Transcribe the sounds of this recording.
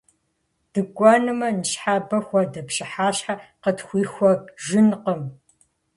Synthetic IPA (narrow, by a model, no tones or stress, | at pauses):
d̥ɨɡʷʼɔnɨmɐnɨɕħaːbɐxʷɐdɐpɕɪħaːɕħaqətxʷiːxʷɔɡʒɪnqəm